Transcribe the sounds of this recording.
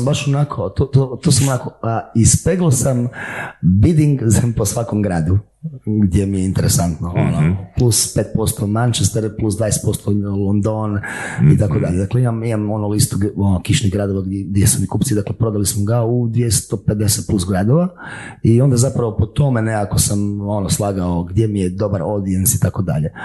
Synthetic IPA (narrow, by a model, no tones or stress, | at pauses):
mbaʃonakʰot̪ot̪ot̪osamonakoispeɡlˠosam | bid̪iŋɡzemposʋakomɡɾaːd̪u | ɡd̪ʲjemijeint̪eɾesant̪noonoplˠuspeːt̪̚po̞st̪omant͡ʃest̪eɾplusd̪ʋajeset̪po̞st̪olˠond̪onit̪akod̪aʎed̪akleimamimamo̞nulist̪uonokiʃniɣɡɾad̪o̞ʋaɡɡd̪jesumikupt̪sid̪aklepɾo̞d̪alismoɡaud̪ʋjest̪ope̞d̪eset̪̚plusɡɾad̪oʋaio̞nd̪azapɾaʋopot̪omeneako̞samonoslˠaːɡaoɡd̪jemijed̪o̞baɾo̞d̪iensit̪akod̪a̰ʎe